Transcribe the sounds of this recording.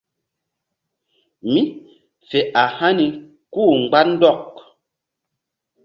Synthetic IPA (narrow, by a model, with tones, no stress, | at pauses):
mi˦ | fɛ˨ʔa˨ha˦ni˨ | kuː˦˨ŋ͡m̩˨ɡ͡ba˦n̩˦dɔ˦˨k̚